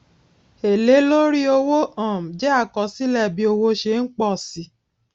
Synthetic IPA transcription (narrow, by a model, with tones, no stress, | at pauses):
e˨le˨˦lo˦ɾi˦o˧wo˦ʔã˦˨m˨d͡ʒɛ˦a˦˨kɔ˨˦si˦lɛ˦˨bi˧˦o˧wo˧ʃe˧˦n̩˦k͡pɔ˦˨si˨˦